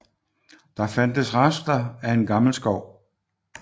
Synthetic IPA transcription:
d̥ɑ̈fæn̰d̥əsʁɑsd̥ɐæe̝nɡ̥ɑ̈ml̩sɡ̥ɒʊ̰

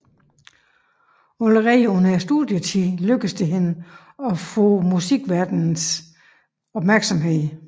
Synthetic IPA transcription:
oləʁɛːonæsd̥uðˠjət͡sʰiløɡ̥əsd̥eɦenə | ɒ̽fɔ̰ːmusiɡ̥ʋæɐd̥ns | ɒ̽b̥mæɐɡ̥sɒ̽mɦe̝ð̰ˠ

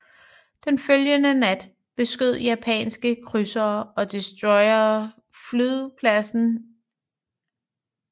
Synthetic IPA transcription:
d̥enføljənənæd̥ | b̥e̝sɡ̥øð̞̰ˠjæpʰɛ̰ːnsɡ̥əkʰʁysɐːɒ̽d̥isd̥ʁɔɪɐð̩ˠ | flyðˠpʰlæsn̩

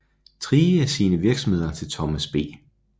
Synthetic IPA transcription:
t͡sʰʁiːæsiːnəʋiɐɡ̥sɒ̽m̩he̝ð̞̰ˠɐt͡sʰe̝lt͡sʰɒ̽mæsb̥e̝̰ː

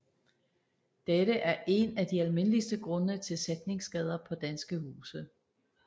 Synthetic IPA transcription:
d̥eɾəʔæɐʔe̝næd̥iælme̝nəlisd̥əɡ̥ʁɔ̽nət͡sʰe̝lsed̥ne̝ŋsɡ̥ɛð̞ˠɐpʰɒ̽d̥ænsɡ̥əhuːsə

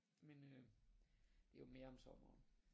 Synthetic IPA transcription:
menø | d̥e̝jome̝ːɐɒ̽msɒ̽mɐːn

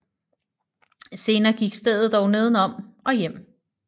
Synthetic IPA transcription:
se̝ːnɐːɡ̥iɡ̥sd̥eðˠð̩ˠd̥ɒʊne̝ːð̞ˠn̩ɒ̽m̰ʔɒ̽jem̰

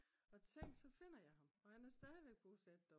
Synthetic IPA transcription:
ɒ̽t͡sʰeŋ̰d̥sɒ̽fe̝n̰ɐjɑ̈ɪɦɑ̈mɒ̽hænæɐsd̥ɛːð̞ˠiʋeɡ̥̚pʰosed̥ːɒ

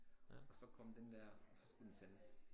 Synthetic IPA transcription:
ɒ̽sɒ̽kʰɒ̽md̥end̥æɐ̰sɒ̽sɡ̥ud̥ensenəs

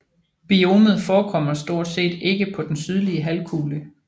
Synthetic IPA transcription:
b̥io̝ːmð̩ˠfɒːkʰɒ̽m̰ɐsd̥o̝ɐ̰d̥se̝̰ːd̥e̝ɡ̥əpʰɒ̽d̥ensyð̞ˠliəɦælkʰuːlə

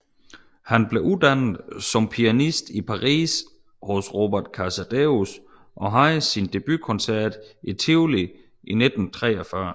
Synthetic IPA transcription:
hænb̥le̝ʔud̥ænð̩ˠsɒ̽mpʰiænisd̥ipʰɑ̈ʁḭːs | hɔ̽sʁo̝b̥æɐd̥kʰæsæd̥eus | ʔɒ̽ɦɑ̈ɪsind̥e̝b̥ykʰɔ̽nsæɐ̰d̥it͡sʰiʊli | ʔined̥n̩t͡sʰʁɛ̰ːɒfɶɐ

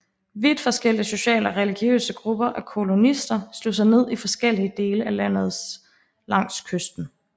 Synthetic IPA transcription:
ʋid̥fɒ̽sɡ̥el̰iəso̝ɕɛ̰ːləɒʁɛliɡ̥jø̰ːsəɡ̥ʁub̥ɐʔækʰo̝lo̝nisd̥ɐslos̬ɑ̈ɪne̝ð̞̰ˠifɒ̽sɡ̥el̰iəd̥e̝ːləælæn̰ð̞̩ˠs | lɑ̈ŋ̰skʰøsd̥n̩

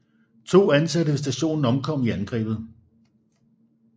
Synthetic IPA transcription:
t͡sʰo̝̰ːænsædəʋe̝sd̥æɕo̝̰ːnn̩ɒ̽mkʰɒ̽m̰iænɡ̥ʁɛ̰ːb̥ð̞̩ˠ

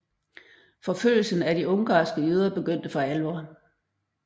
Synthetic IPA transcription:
fɒ̽føl̰l̩sən̩æd̥iɔ̽ŋɡ̥ɑ̈ːsɡ̥əøð̞ˠɐb̥e̝ɡ̥øn̰d̥əfɑ̈ælʋɒ̰ː

